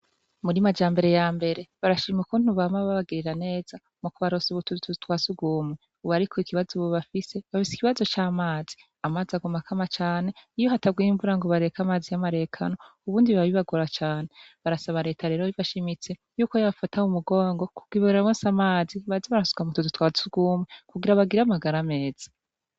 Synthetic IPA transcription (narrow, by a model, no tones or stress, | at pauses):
muɾimad͡ʒaːmbe̞ɾe̞jaːmbe̞ɾe̞βaɾaʃimikon̥uβamaββaβaɡiɾiɾane̞ːz̥a | mukuβaɾosuβutututwaːsuɡuːme | uβaɾikʰoikʰiβazoβoβafise̞βafisi̥kiβazo̞t͡ʃaːmaːzi̥ | amaːziaɡumakʰamat͡ʃaːne̞ijoɦatabɡiːɱvuɾaŋɡo̞βaɾe̞kamaːzijamaɾe̞ːkʰa̰no̞uβuːndiββaβiβaɡoɾat͡ʃaːneβaɾasaβaɾe̞ːtʰaɾe̞ːɾoiβaʃimit͡se̞ | juːkojaβfataumuɡo̞ːŋɡo̞kuɡ̥wiβoɾemoːsamaːziβaziβaɾasu̥kamutututwaːsuɡumekuɡiɾaβaɡiɾamaɡaɾame̞ːz̥ḁ